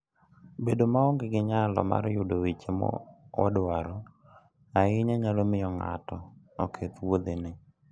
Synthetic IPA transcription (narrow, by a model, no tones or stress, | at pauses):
bedomaɔŋɡɪɡɪɲalɔ̰ma̰ɾjʊdowit͡ʃemɔ̰ɔ̰dwaɾɔ | aɪɲaɲalomɪjɔŋa̰tɔɔkʰet̪wod̪enɪ